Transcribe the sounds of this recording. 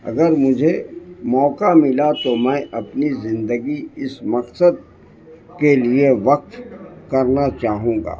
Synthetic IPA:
ɐ̰ɡəɾmʊd͡ʒʱemɔːkamɪlat̪omɛ̃ːʔɐpnizɪ̃nd̪əɡiɪsmɐqsəd̪̚ | kelieʋɐq̚t̪kɐɾnat͡ʃaːɦũːɡa̰ː

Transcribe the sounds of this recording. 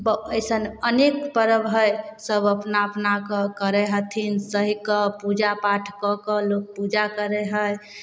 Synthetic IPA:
bəəɪsənənekpəɾəbʱəjsəbəpnapnakəkəɾɛɦət̪ʰinsəɦikəpud͡ʒapaʈʰkɔkəlok̚pud͡ʒakəɾɛɦəj

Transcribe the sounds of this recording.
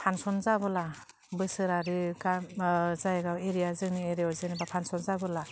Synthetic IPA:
pʰansɔnzabɔla | bɯsɯɾaɾiɡazajɡaweɾijazɯŋnieɾeɔzenibapʰansɔnzabɔla

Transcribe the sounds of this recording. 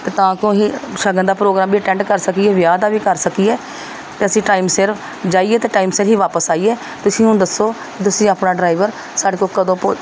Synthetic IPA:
t̪eːt̪ãːkõːɦiːʃəɡə̃nd̪aːpɾoːɡɾaːmbiːəʈɛ̃ːɳʈkəɾsəkiːɛːʋjaːd̪aːʋiːkəɾsəkiːɛː | t̪eːəsĩːʈaːɪmseɾ | d͡ʒaːiːɛːt̪eːʈaːimseːɾɦiːʋaːpəsaːiːɛː | t̪ʊsĩːũːd̪əsːoː | kt̪ʊsĩːaːpnaːɖɾaːɪʋəɾ | saːɖeːkokəd̪õːpo

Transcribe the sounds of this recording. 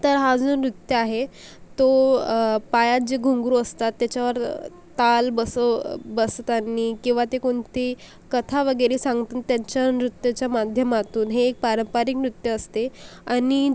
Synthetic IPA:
t̪əɾɦad͡zonɾut̪jəaɦe | t̪o | pajat̪̚d͡ʑeɡʱuŋɡɾuəst̪at̪ːjat͡ɕaʋəɾ | t̪albəsəbəst̪anːikĩw̃ʋat̪ekoɳt̪e | kət̪ʰaʋəɡəɾesãŋɡt̪uːnt̪ːjaɲt͡ɕjanɾut̪jat͡ɕjamad̪ʱjəmat̪uːnɦeːk̚paɾəmpaɾiknɾut̪jəːst̪eani

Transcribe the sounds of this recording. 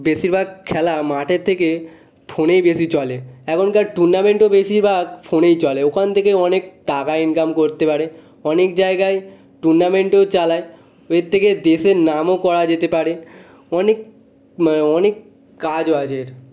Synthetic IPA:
beʃiɾbʱaɡ̚kʰːɛlamaʈeɾt̪ʰeke | fʰonejbeʃit͡ɕɔleɛkʰonkaɾʈuɾnameɳʈobeʃiɾbʱaɡfʰonejt͡ɕɔleokʰant̪ʰekeɔnek̚ʈakaenkamkoɾt̪epaɾe | ɔnek̚d͡ʑaeɡaj | ʈuɾnameɳʈot͡ɕalae | eɾt̪ʰːeked̪eʃenamokɔɾad͡ʑet̪epaɾe | ɔnek | ɔnekː | ad͡ʑoad͡ʑeɾ

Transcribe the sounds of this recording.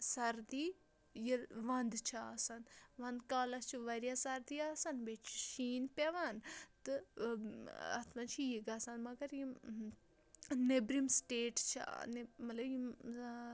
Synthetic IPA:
sɐɾd̪iː | jiʋɐnd̪t͡ʃʰiaːsɐnʋɐ̃nd̪kaːlɐst͡ʃʰiʋɐɾjasɐɾd̪iaːsɐnbet͡ʃʰi̥ʃiːnpʲaʋant̪ɨ | ɐ̰t̪ʰmɐnt͡ʃʰijiɡɐsɐnmɐɡɐɾji | nebɾimsʈeːʈt͡ʃʰḭnemɐlɐbji

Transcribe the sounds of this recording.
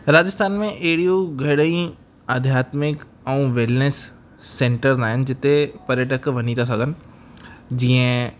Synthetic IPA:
ɾaːd͡ʑɪst̪aːnmẽʔɐɦɪɽijoɡʱɐɽəĩ | ɐd̪ʱjaːt̪mɪk | ɛ̃ũʋɪlnesː | ẽːɳʈəɾnaːɦɪnɪ̆d͡ʑɪt̪epɐɾjəʈəkʋɐɲit̪ʰas̬ɐɡʱənɪ̆ | d͡ʑiːə̃

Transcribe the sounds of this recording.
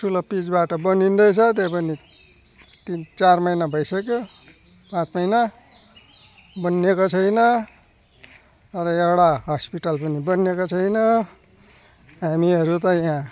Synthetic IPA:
ʈʰulʌpid͡zbaʈʌbʌnind̪ʌjt͡sʰʌt̪̬epʌni | t̪int͡sarmʌjnabʱʌjsʌkjo | pãt͡smʌjna | bʌnekot͡sʰʌjnʌ | t̪ʌɾʌewɽaɦʌspiʈalpʌnibʌnekot͡sʰʌjnʌ | ɦamiɦʌɾut̪ʌjã

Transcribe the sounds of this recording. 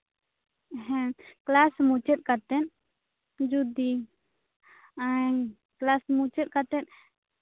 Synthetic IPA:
ɦɛ̃klasmut͡ʃɛt̪̚kat̪ɛn | d͡ʒud̪i | aŋ | klasmut͡ʃɛt̪̚kat̪ɛt̪̚

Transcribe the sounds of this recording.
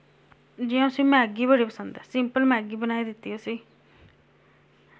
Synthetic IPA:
d͡ʒɪõsĩːmɛ̃ːɡiːbəɽiːpəsə̃nd̪ɛːsɪmpəlmɛ̃ːɡiːbənaːiːd̪ɪt̪ːiːosiː

